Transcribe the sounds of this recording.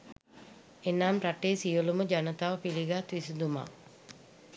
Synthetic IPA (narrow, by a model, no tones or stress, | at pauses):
enːaːmpɾaʈːeːsijoluməd͡ʒanət̪aːʋəpiliɡaːt̪ʋisud̪uma̰